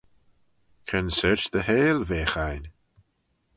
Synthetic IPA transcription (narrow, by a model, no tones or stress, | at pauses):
kʰənsɪɹʃðəheːlveːxajn